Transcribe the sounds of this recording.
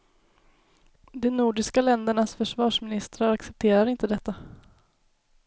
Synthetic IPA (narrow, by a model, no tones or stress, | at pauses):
d̪ɛnuːɖɪskalɛnd̪əɳasfœʂvɑːʂmɪnɪst̪ɾaɾaksɛp̚t̪ʰeːɾaɾɪnt̪əd̪ɛt̪ːa